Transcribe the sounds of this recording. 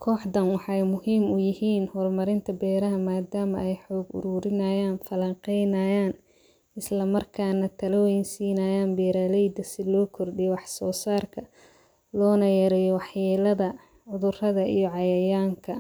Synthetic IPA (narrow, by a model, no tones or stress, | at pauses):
kʰɔːħdɐnwɑħɛjmʊɦiːmʊjɪɦiːnhɔːlmɐɾɪnt̪ʰɐbɛːɾɐɦɐmaːd̪aːmɐʔɛjħɔːɡʊ̰ɾuːɾɪnɐːjaːnfɐlɐɴqɛjnɐjaːn | ɪslɐmɐrkʰaːnɐt̪ʰɐlɐwɛjnsiːnɐːjaːnbɛːɾaːlɛjd̪ɐsɪlɔːkʰɔrɖijɔwɑħsɔːsaːrkʰɐ | lɔːnɐjɐɾɛjɔwɑħjɛːlɐðɐ | ʕʊðʊrɐðɐʔijɔʕɑjɐjaːŋkʰɐ